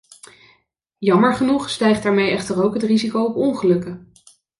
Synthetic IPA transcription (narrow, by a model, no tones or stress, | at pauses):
jɑməɹχənuχstɛjχdaːɹmejɛχtərowkɦətrizikowɔpɔŋχəlɵkə